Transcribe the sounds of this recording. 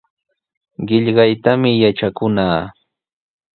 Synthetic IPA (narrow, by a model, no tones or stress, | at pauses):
ɢɪʎɢɑjt̪amɪjaʈ͡ʂakʊnaː